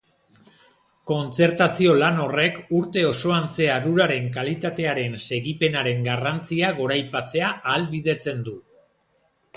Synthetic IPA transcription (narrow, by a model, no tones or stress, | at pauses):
ko̞nt͡se̞ɾt̪asio̞lano̞re̞kuɾt̪e̞o̞so̞anse̞aðuɾaɾe̞ŋkalit̪at̪e̞aɾe̞nse̞ɣipe̞naɾe̞ŋɡarant͡siaɣ̞o̞ɾajpat͡se̞aːlβiðe̞t͡se̞nd̪u